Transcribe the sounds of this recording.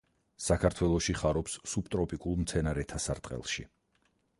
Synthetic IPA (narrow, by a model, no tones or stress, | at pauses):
sakʰaɾt̪ʰwɛlˠɔʃiχaɾɔpsːubt̪ʼɾɔpʼikʼulˠmt̪sʰɛnaɾɛt̪ʰasaɾt̪ʼqʼɛ̰lˠʃḭ